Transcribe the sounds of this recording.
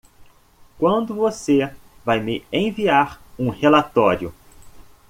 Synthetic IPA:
kwɐ̃nd̪ʊvose | vajmɪẽviaɾũhelat̪ɔɾjʊ

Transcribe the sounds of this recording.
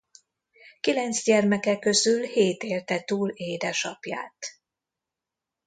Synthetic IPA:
kilɛnt̪zɟɛrmɛkɛkø̞zylheːt̪eːrt̪ɛt̪uːleːd̪ɛʃɒpja̰ːt̪

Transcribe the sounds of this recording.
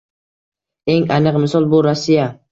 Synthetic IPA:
e̞ŋanɨqmɪsɒlˠbʊɾasːija

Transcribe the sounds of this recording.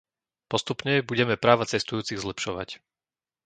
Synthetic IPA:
pɔst̪upɲɛbuɟɛmɛpɾaːʋat͡sɛst̪ujuːt͡siɣzlɛpʃɔʋa̰c

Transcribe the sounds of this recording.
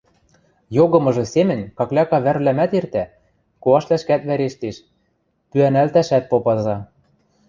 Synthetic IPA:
joɣɤ̆mɤ̆ʒɤ̆semɘ̆nʲkɑklʲɑkɑβærβlæmæt̪ert̪æ | koɑʃlæʃkæt̪βæɾeʃt̪eʃ | pyænælt̪æʃæt̪̚popɑzɑ

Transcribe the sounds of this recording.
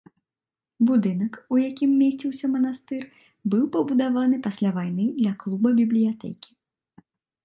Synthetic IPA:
bud̪ɨn̪ɐkujakʲimːʲesʲt͡sʲiwsʲɐmɐn̪ast̪ɨr | bɨwpɐbud̪avan̪ɨpasʲlʲavajn̪ɨd̪lʲɐklˠubɐbʲiblʲijat̪ɛ̰kʲi̥

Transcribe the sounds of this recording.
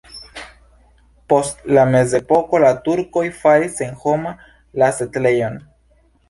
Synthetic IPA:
po̞stlame̞ze̞po̞ko̞latuɾko̞jfaɾise̞nxo̞ma | lasetle̞jo̞n

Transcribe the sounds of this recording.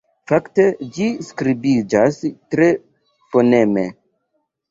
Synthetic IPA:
fakte̞d͡ʒiskɾibid͡ʒastɾe̞ | poneme

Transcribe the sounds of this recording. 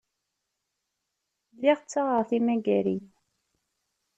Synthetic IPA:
lːiʁt͡sːaʁəʁθimæɡæɾin

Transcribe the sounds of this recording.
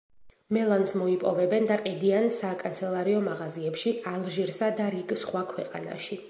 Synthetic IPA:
mɛlˠansmɔipʼɔvɛbɛnd̪aqʼid̪iansakʼant̪sʰɛlˠaɾiɔmaʁaziɛpʃialˠʒiɾsad̪aɾiɡsχwakʰwɛqʼa̰na̰ʃi

